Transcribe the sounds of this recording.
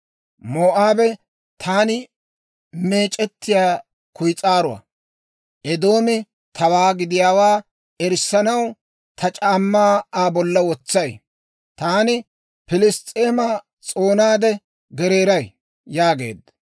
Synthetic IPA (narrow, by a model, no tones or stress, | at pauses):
moːʔaːbɛ | t̪ʰaːnɪ | me̞ːt͡ʃʼːɛt̪ːɪjaː | kʊjt͡sʼaːɾʊa̰ | ʔɛd̪o̞ːmɪ | t̪ʰɐwaːɡɪd̪ɪjaːwaː | ɛɾsːɐnɐw | t̪ʰɐt͡ʃʼaːmːaːaːbɔlːɐwɔt͡sːɐj | t̪aːnɪ | pɪlɪst̪ʼeːmɐ | t͡sʼo̞ːnaːd̪ɛ | ɡɛɾe̞ːɾɐj | jaːɡe̞̰ːd̪ɐ